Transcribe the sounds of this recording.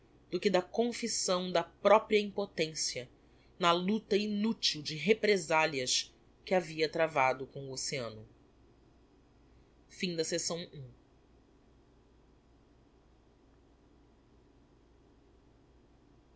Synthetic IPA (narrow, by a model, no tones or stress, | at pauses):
d̪̥ʊkɪd̪ɐkõfisɐ̃w̃d̪ɐpɾɔpɾiɐĩmpot̪ẽsiɐ | nɐlut̪ɐinut͡ʃiwd͡ʒɪɦepɾezaliɐʃ | kɪaviɐt̪ɾavad̪ʊkõw̃ʊoseɐ̃nʊ | fĩd̪ɐsesɐ̃w̃ũ